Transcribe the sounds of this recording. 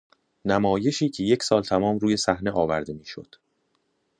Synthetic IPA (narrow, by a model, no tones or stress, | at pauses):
næmɒːje̞ʃiːcʰe̞je̞cʰsɒːlt̪ʰæmɒːmruːje̞sæhne̞ʔɒːvæɾd̪e̞miːʃo̞̰d̪̥